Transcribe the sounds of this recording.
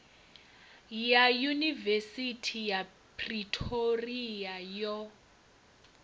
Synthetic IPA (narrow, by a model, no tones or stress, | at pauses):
jajunivesitʰija | pʰʼritʼʰoriajɔ